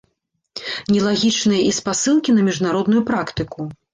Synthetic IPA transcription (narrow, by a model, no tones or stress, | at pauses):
nʲɛlˠaɣʲit͡ʂnɨjɐʔispasɨlˠkʲinɐmʲiʐnaɾɔd̪nujupɾakt̪ɨku